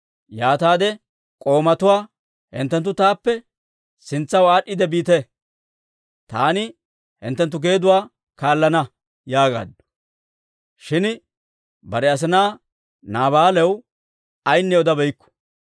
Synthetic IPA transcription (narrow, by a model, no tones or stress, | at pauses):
jaːt̪aːd̪ɛ | kʼo̞ːmɐt̪ʊwaː | hɪ̰nt̪ːɛnt̪̬ːʊt̪aːpːɛ | sɪnt͡sːɐwaːɗːɪd̪ɛbiːt̪e | t̪aːnɪ | hɪ̰nt̪ːɛnt̪ːʊɡe̞ːd̪ʊwaː | kaːlːɐnɐ | jaːɡa̰ːd̪ɔ̥ | ʃɪn | bɐɾɛɐs̬ɪnaː | naːβaːlɛw | ɐjnːɛɔd̪ɐbɛjkːɔ̥